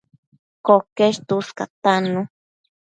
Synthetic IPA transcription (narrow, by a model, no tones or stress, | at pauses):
kokeʃt̪uska̰t̪anu